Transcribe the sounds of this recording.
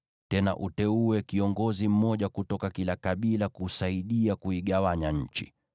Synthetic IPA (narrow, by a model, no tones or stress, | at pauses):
tɛna̰ʔutɛuɛkiɔŋɡɔzim̩mɔʄakutɔkakilakaɓilakusaiɗiakuiɠawaɲaɲ̩t͡ʃi̥̰